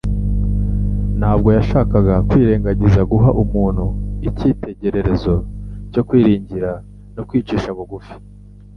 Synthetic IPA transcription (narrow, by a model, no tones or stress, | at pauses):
n̥haːb̚ɡo̞jaʃaːkaɡakwiːɾe̞ːŋɡaɟizaɡuɦaʔumuːn̥huiciːte̞ɟe̞ɾe̞ɾe̞zo̞co̞kwiːɾiːɲɟiɾa | nokwiːt͡ʃiːʃamuɡufi̥